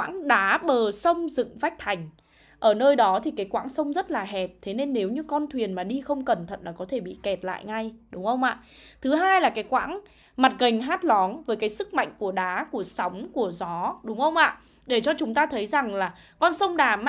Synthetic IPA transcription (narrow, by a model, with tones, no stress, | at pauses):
a̰ː˧˥ŋɗaː˨˦ɓəː˨˩sə˧wŋ͡mzɨ̰˧˨ŋva˦˥k̚t̪ʰa˨˩jŋ̟ | ʔəː˧˩nəː˧jɗɔ˨˦t̪ʰi˨˩kaː˨˦jkwa̰ː˧˥ŋsə˧wŋ͡mzə˦˥t̚laː˨˩ɦɛ˨˩p̚t̪ʰe˨˦ne˧nːe˨˦wɲɨ˧kɔ˧nt̪ʰwi˨˩ənmaː˨˩ɗi˧xə˧wŋ͡mkə˨˩nt̪ʰə̰˧˨nlaː˨˩kɔ˨˦t̪ʰe˧˩ɓḭ˧˨kɛ˨˩t̚la̰ː˧˨jŋa˧˩jɗʊ˨˦ŋ͡mxə˧wŋ͡mʔa̰ː˧˨ʔ | t̪ʰɨ˨˦ɦaː˧jlaː˨˩kaː˨˦jkwa̰ː˧˥ŋ | ma˨˩t̚ɣə˨˩ŋ̟ɦaː˦˥t̚lɔ˨˦ŋvəː˨˦jkaː˨˦jsɨ˦˥k̚ma̰˧˨jŋ̟ku˧˩əɗaː˨˦ku˧˩əsa˨˦wŋ͡mku˧˩əzɔ˨˦ɗʊ˨˦ŋ͡mxə˧wŋ͡mʔa̰ː˧˨ | ɗe˧˩t͡ɕɔ˧t͡ɕʊ˨˦ŋ͡mt̪aː˧t̪ʰə˨˦jza˨˩ŋlaː˨˩ | kɔ˧nsə˧wŋ͡mɗaː˨˩m